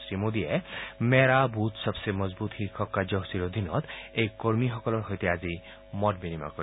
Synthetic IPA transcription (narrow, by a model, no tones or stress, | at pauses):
sɾimod̪iemeɾabut̪sɔbsemɔzbut̪hikʰɔkːad͡ʒɔɦsiɾod̪ʱinɔt̪ejkoɹmixɔkɔlɔɹxɔjt̪ɛazi | mɔtbinima̰kɔ